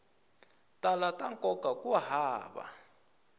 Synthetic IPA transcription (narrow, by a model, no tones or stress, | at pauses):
tʼalataŋkʼɔɡ̥ʱakuwaɦaːɓa̰